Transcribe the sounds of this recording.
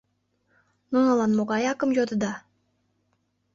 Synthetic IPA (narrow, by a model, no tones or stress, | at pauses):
nunɤ̆lɑnmoɣɑjɑkə̆mjod̪əd̪ɑ